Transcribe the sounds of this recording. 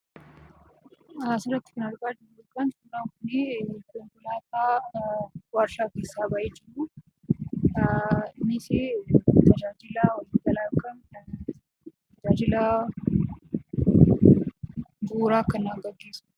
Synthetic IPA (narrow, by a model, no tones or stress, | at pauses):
sɪrɐt̪ːɪ̥kɐnɐɾɡaːd͡ʒɪɾʊʊlkʼɐnsʊnːaːŋkʊnekʼʊŋkʼʊlaːt̪aː | wɐɾʃaːkeːsːaːbɐʔeːd͡ʒɪru | mːɪseːt̪ʰɐd͡ʒaːd͡ʒɪlawɐlɪɐlaːkʼɐn | t̪ɐd͡ʒaːd͡ʒɪla | buːɾaːkːɐnːaːɡɐɡːeːsʊ̥